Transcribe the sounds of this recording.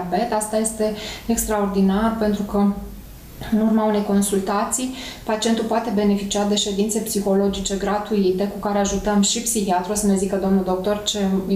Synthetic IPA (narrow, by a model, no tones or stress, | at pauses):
be̞t̪ast̪aje̞st̪e̞ekst̪ɾao̞rd̪inarpe̞nt̪ɾukə | ɨnurmaunejko̞nsult̪at̪sijpat͡ʃient̪ulpoat̪e̞be̞ne̞fit͡ʃiad̪e̞ʃe̞d̪int̪se̞psixo̞lo̞d͡ʒit͡ʃe̞ɡɾat̪uit̪e̞kukaɾe̞aʒut̪əmʃipsihiat̪ɾuosəne̞zikəd̪o̞mnuld̪o̞k̚t̪o̞rt͡ʃe̞